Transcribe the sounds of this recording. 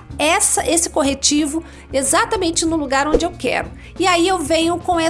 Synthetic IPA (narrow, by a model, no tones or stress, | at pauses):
ɛsɐʔesɪ̥koɦet͡ʃivʊ | ezat̪ɐmẽnt͡ʃɪnʊluɡaɾõd͡ʒɪewkɛ̰ɾʊ | ɪaiewvẽɲʊkõɛ